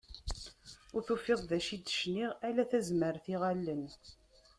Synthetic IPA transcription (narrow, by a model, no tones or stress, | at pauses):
ʊɾθufːɪðˤðæʃid̪ə̥ʃniʁælæθæzməɾθiʁælːən